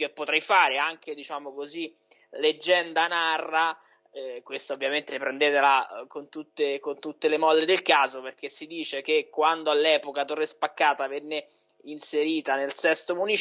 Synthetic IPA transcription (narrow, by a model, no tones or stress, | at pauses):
kepːot̪ɾɛjfaːɾeaŋk̟ed̪it͡ʃaːmokozi | led͡ʒːɛnd̪anarːa | ɛkwest̪aovːjament̪epɾend̪eːt̪elakont̪ut̪ːekont̪ut̪ːelemɔlːed̪elkaːzoperk̟esːid̪iːt͡ʃek̟ekːwand̪oalːɛːpokat̪orːespakːaːt̪avɛnːe | inseɾiːt̪anelsɛst̪omuni